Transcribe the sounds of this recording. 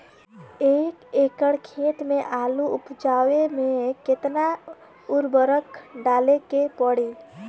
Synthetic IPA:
eːkeːkəɽkʰeːt̪mẽʔaːluʊpd͡ʒaːwemẽkɪt̪na | ʊɾbəɾəkɖaːlekepəɽi

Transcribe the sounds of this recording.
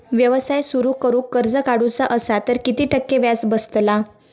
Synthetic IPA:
ʋjəʋəsajsuɾuːkəɾuːkːəɾd͡zəkaɽut͡saʔəsat̪əɾkit̪iːʈʰəkːeʋjat͡sbəst̪la

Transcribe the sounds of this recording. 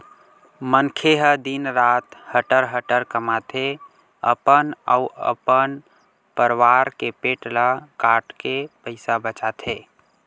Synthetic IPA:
mənkʰeɦəd̪inɾaːt̪həʈəɾɦəʈəɾkəmat̪ʰe | ə̰pənə̰uə̰pən | pəɾwaɾkepeːʈlakaʈkepəɪsabət͡ʃat̪ʰɦe

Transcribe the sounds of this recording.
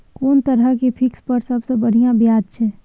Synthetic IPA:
koːnt̪ɐɾəkepʰɪkspɐɾsɐbsebɐɽ̤ijãbjaːd̪t͡ʃʰɛ̃ː

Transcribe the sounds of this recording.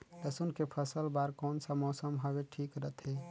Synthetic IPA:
ləsunkepʰəsəlbaɾkonsə̃mosəmɦəbeʈʰikɾət̪ʰe

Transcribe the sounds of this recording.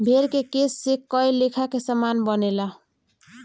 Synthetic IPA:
bʱeɾkekesːekəjlekʰakesəmanbənela

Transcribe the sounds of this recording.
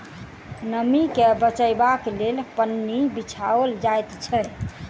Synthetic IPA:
nəmikebət͡ʃəjbaklelpənːibit͡ʃʰaold͡ʒajt̪t͡ʃʰəj

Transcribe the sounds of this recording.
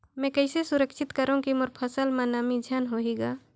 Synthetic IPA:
mɛ̃ːkəɪsesʊɾəkʃɪt̪kəɾõkimʊɾpʰəsəlmaːnaːmid͡ʒʱjaːnɦoːɦiːɡaː

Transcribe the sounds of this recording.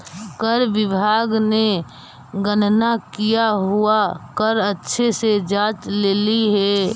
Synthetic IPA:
kəɾʋɪbʱaːɡne | ɡənnakijaɦuakəɾətːʃʰesed͡ʒaːt͡ʃleːliɦɛː

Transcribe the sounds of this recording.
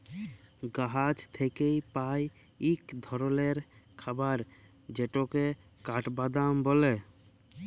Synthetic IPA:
ɡaɦad͡ʒt̪ʰekejpaj | ikd̪ʱɔɾoleɾkʰabaɾ | d͡ʒeʈoke | kaʈbad̪ambɔle

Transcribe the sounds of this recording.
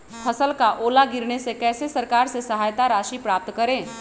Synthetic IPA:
pʰəsəlkaʔoːlaɡɪɾnesekɛːsesɐɾkaːɾsesɐɦaːjt̪aɾaːʃipɾaːp̚t̪kəɾẽː

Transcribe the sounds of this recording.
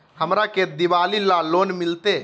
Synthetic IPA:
həmɾaked̪iʋalilalonmilt̪e

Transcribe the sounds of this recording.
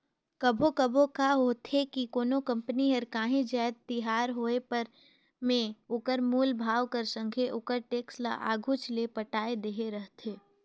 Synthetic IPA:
kəbʱokəbʱokaɦoːt̪ʰekikoːnokɐ̃mpəniɦɐɾkaːɦĩd͡ʒaːd̪̚t̪ɪɦaːɾɦoːepəɾ | mẽokəɾmuːlbʱaːʋkəɾsə̃ŋɡʱeʔoːkəɾʈeːksla̰ʔa̰ːɡʱʊt͡ʃlepəʈaːed̪eːɦeɾəɦt̪ʰeː

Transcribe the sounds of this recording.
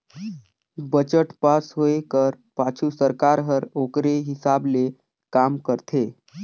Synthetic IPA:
bət͡ʃəʈpasɦoekəɾ | pat͡ʃʰusəɾkaɾɦəɾokɾeɦisable | kamkəɾt̪ʰe

